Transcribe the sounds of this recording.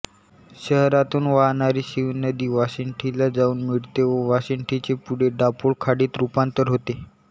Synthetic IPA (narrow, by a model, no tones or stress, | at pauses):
ɕəɦɾat̪uːnʋaɦnaɾiːɕiʋnəd̪iːʋasiɳʈʰilad͡zauːnmiɭt̪eʋəʋasiɳʈʰit͡sepuɽ̤eɖapoɭkʰaɽiːt̪ɾupant̪əɾɦot̪e